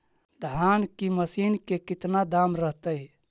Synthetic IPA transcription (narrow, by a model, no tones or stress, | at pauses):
d̪ʱankiməsinkekit̪nad̪amɾəɦt̪əj